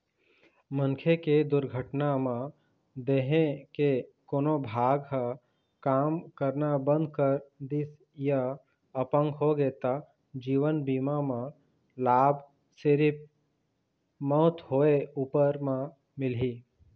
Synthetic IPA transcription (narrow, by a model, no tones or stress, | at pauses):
mə̃nkʰeked̪ʊɾɡʱəʈnamã | d̪eːɦẽkekoːnobʱaːɡɦə | kaːmkəɾnabə̃nd̪̚ʱkəɾd̪ɪs | ja | əpə̃ŋɡɦoɡeːt̪a | d͡ʒiːʋənbiːmamã | laːb | seɾɪp̚ | mɔːt̪ɦoːeuːpəɾmã | mɪlɦi